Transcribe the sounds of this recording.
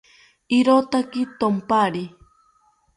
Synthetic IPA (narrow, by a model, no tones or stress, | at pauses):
iɾot̪akit̪ompaɾi